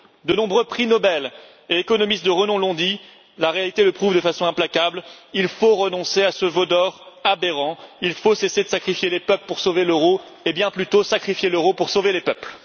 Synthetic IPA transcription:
d̪ənɔ̃bʁøpχinɔbɛl | eekɔnɔmist̪̚d̪əʁənɔ̃lɔ̃d̪i | laʁealit̪eləpχuvd̪əfasɔ̃ɛ̃plakʲablilfoʁənɔ̃seasəvɔd̪ɔʁabeʁɑ̃ilfosesed̪əsakχifjelepœpləpuʁsoveløʁo | ebjɛ̃plyt̪osakχifjeløʁopuʁsovelepœpl

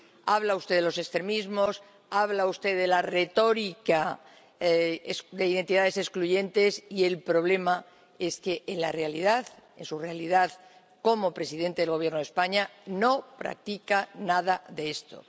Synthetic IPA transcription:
aβlaust̪eðelo̞se̞kst̪ɾemizmo̞s | aβlaust̪e̞ðe̞lare̞t̪o̞ɾika | sd̪e̞iðent̪iðað̞e̞se̞skluʝe̞nt̪e̞sie̞lpɾo̞β̞le̞ma | e̞ske̞ʔːnlare̞aliðaθensurealiðað | ko̞mo̞pɾe̞siðe̞nt̪e̞ðeɣo̞β̞je̞ɾnoðespaɲano̞pɾa̰k̚t̪ikanaðaðe̞est̪o̞̰

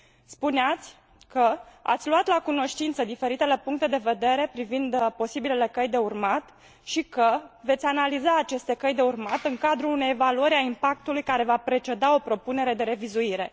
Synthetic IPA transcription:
spuneat̪sʲ | kəa̰t̪sʲluat̪lakuno̞ʃt̪int̪səd̪ife̞ɾit̪e̞le̞puŋk̚t̪e̞d̪e̞ve̞d̪e̞ɾe̞pɾivind̪po̞sibilele̞kəjd̪e̞urmat̪ | ʃikəve̞t̪sʲanalizaːt͡ʃe̞st̪e̞kəjd̪e̞urmat̪ɨŋkad̪ɾuːne̞jevaluəɾʲaimpak̚t̪ulujkaɾe̞vapɾe̞t͡ʃe̞d̪ao̞pɾo̞pune̞ɾe̞d̪e̞ɾe̞vizuiɾe̞

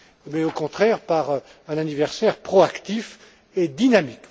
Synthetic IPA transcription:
mɛokɔ̃t̪χɛʁpaʁ | ɛ̃nanivɛʁsɛʁpχɔakt̪if | ed̪inamik

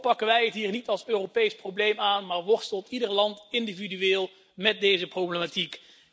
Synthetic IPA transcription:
pɑkənʋɛjətɦiːɹnitɑlˠsøːropejsprowblejmaːnmaːɹʋɔɹstəlˠtidəɹlɑntɪndividyʋɪːlˠ | mɛt̚dejzəprowbləmatik

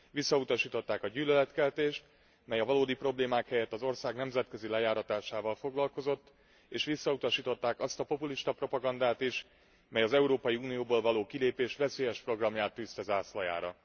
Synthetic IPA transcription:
ʋisːɒut̪ɒʃiːt̪o̞t̪ːaːkɒɟyːlølɛt̪kɛlt̪eːʃt̪ | mɛjɒvɒloːd̪ipro̞bleːmaːkhɛjɛt̪ːɒzo̞rsaːɡnɛmzɛt̪kø̞zilɛjaːɾɒt̪aːʃaːvɒlfo̞ɡlɒlko̞zo̞t̪ː | eːʃʋisːɒut̪ɒʃiːt̪o̞t̪ːaːkɒst̪ɒpo̞puliʃt̪ɒpro̞pɒɡɒnd̪aːt̪iʃ | mɛjɒzɛuɾoːpɒjiuːnijoːboːlvɒloːkileːpeːʃʋɛseːjɛʃpro̞ɡrɒmjaːt̪ːyːst̪ɛzaːslɒja̰ːɾɒ

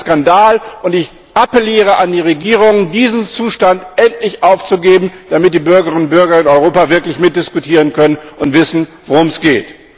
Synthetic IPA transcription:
skandaːlʔʊntɪç | ʔapɛliːʁəʔandiːʁeɡiːʁʊŋədiːzn̩t͡suːʃtantɛntlɪçʔaʊft͡suɡeːbm̩d̥amɪt̚d̥iːbʏɐɡɐʁɪnʊntb̥ʏɐɡɐɪnɔʏʁoːpavɪɐklɪçmɪt̚d̥ɪskutʰiːʁ̞ənkœnənʊntv̥ɪsn̩voʁʊmsɡ̥eːt

